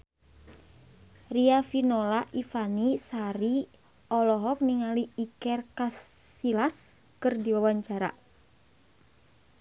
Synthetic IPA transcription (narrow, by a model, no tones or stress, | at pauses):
riafinolaʔifanisaɾi | ɔlɔɦɔk̚niŋaliikɛrkasːilas | kɨrdiwawaɲt͡ʃaɾa̰